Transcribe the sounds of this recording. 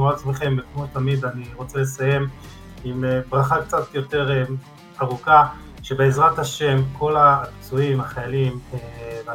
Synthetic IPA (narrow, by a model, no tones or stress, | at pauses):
at͡smeχe̞mbekmotamid̪aniʁo̞t͡sele̞saje̞m | imebʁaχakt͡satjo̞te̞ʁ | aʁuka | ʃe̞beːzʁathaʃe̞mko̞labt͡suimaχajalimv